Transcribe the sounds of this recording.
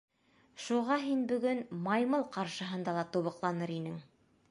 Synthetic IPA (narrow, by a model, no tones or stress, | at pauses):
ʃuʁɑɦinbɵ̆ɡɵnmɑjmɤlˠqɑɾʃɤ̆ɦɤ̆nd̪ɑlˠɑt̪uβɤ̆qlˠɑnɤɾinɘŋ